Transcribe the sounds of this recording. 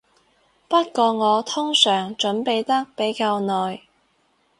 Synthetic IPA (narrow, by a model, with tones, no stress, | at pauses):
pɐ˥t̚kɔː˧ŋɔː˨˧t̪ʰʊ˥ŋsœː˨˩ŋt͡ʃɵ˨˥npe˨jt̪ɐ˥k̚pe˨˥jkaː˧wnɔː˨j